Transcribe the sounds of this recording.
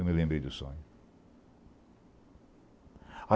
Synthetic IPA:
wmɪlẽbɾejd̪ʊsõ̰ɲʊ | a

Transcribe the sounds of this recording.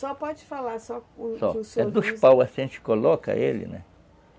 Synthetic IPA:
sɔpɔd͡ʒɪfalaɾsɔsɔsɛd̪ʊspawɐsẽnt͡ʃɪ̥kolɔkɐ̰elɪ̰nɛ̰

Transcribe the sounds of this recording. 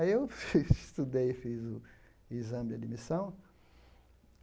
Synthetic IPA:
ewst̪ud̪ejfizʊ | izɐ̃mɪd͡ʒad̪imisɐ̃w̃

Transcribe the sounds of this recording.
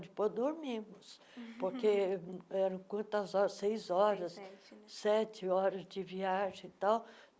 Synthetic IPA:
d͡ʒ̪ɪpojzd̪oɾmĩmʊs | poɾkeɛɾɐ̃w̃kwɐ̃t̪ɐzɔɾɐsejzɔɾɐssɛt͡ʃɪɔɾɐzd͡ʒɪviaʒẽt̪aw

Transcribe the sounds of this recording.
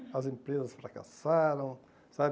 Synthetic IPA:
ɐzẽmpɾezɐsfɾaka̰saɾɐ̃w̃ | sab

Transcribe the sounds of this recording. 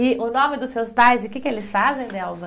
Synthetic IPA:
ɪʊnõmɪd̪ʊsːewspajzɪʊkɪkɪelɪsfazẽj̃nɛwvɐ

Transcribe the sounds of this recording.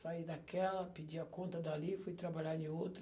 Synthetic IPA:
said̪akɛlɐpid͡ʒiɐkõnt̪ɐd̪alifujt̪ɾabaʎaɾẽowt̪ɾ

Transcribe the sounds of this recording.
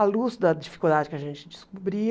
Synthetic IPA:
ɐluzd̪ɐd͡ʒifi̥kuld̪ad͡ʒɪkɪɐʒẽnt͡ʃɪd͡ʒɪskubɾi

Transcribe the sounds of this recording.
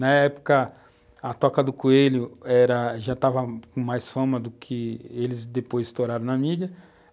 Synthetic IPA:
nɐɛpo̥kɐ | ɐt̪ɔkɐd̪ʊkuelʊɛɾɐʒat̪avɐkõmajsfɐ̃mɐd̪ʊkʰɪelɪzd̪epojst̪oɾaɾɐ̃w̃nɐmid͡ʒɐ

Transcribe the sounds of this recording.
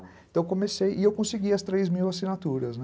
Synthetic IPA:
t̪ɐ̃w̃kõmesejʔɪewkõseɡiɐst̪ɾejzmiwasinat̪uɾɐsn

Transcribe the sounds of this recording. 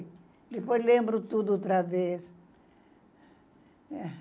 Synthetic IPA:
d̪epojzlẽmbɾʊt̪ud̪ʊot̪ɾaves

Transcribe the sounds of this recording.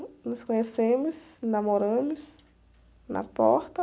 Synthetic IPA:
noskoɲesemusnamoɾɐ̃mis | nʔa̰pɔ̰ɾt̪ɐ

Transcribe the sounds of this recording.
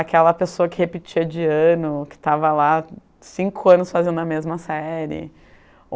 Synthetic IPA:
akɛlɐpesoɐkɪhepɪt͡ʃiɐd͡ʒiɐ̃nʊkɪ̥t̪avɐla | sĩŋkʊɐ̃nʊsfazẽnd̪ʊɐmezmɐsɛɾɪ̰

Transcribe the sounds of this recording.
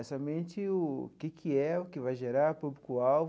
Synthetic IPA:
ɛsɐmẽnt͡ʃɪʊ̰kɪkʰɪɛʊkɪvajʒeɾaɾpublikʊaw

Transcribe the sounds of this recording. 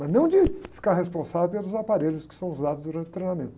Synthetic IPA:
mɐznɐ̃w̃d͡ʒɪfi̥kaɾɦespõsavewpelˠʊzapaɾeʎʊskɪ̥sɐ̃w̃uzad̪ʊzd̪uɾɐ̃nt͡ʃʊ̥t̪ɾejnamẽnt̪ʊ

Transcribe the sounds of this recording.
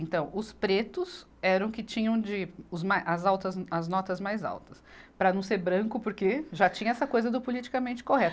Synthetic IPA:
ẽnt̪ɐ̃w̃ʊspɾet̪ʊs | ɛɾɐ̃w̃kɪt͡ʃĩɲɐ̃w̃d͡ʒɪʊzmajʔɐzawt̪ɐzɐznɔt̪ɐzmajza̰wt̪ɐ̥spɾɐnɐ̃w̃seɾbɾɐ̃kʊpʊɾkeʒat͡ʃĩɲɐɛsɐkojzɐd̪ʊpolit͡ʃi̥kɐmẽnt͡ʃɪ̥koɦɛt̪ʊ

